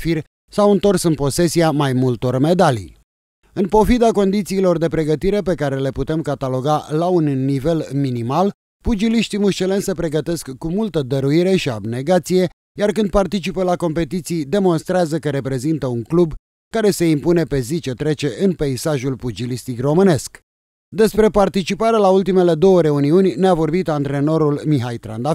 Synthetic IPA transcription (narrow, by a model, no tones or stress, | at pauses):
fir | sawɨnt̪o̞rsɨnpo̞se̞siamajmult̪o̞rme̞d̪alḭj | ɨnpo̞fid̪ako̞nd̪it̪siːlo̞rd̪e̞pɾe̞ɡət̪iɾe̞p̬e̞kaɾe̞le̞put̪e̞mkat̪alo̞ɡalaunːive̞lminimal | pud͡ʒiliʃt̪imuʃt͡ʃele̞nsəpɾe̞ɡət̪e̞skːumult̪əd̪əɾuiɾe̞ʃia̰bne̞ɡat̪sije̞ | jarkɨnd̪̚part̪it͡ʃipəlako̞mpe̞t̪it̪sijd̪e̞mo̞nst̪ɾeazəkəɾe̞pɾe̞zint̪əuŋklub | kaɾe̞se̞impune̞pe̞zit͡ʃe̞t̪ɾe̞t͡ʃe̞ʔɨnpeisaʒulpud͡ʒilist̪ikro̞mɨne̞sk | d̪e̞spɾe̞part̪it͡ʃipaɾelault̪ime̞le̞d̪o̞wəɾe̞uniunʲneavo̞rbit̪ant̪ɾe̞no̞ɾulmiɦajt̪ɾa̰nd̪a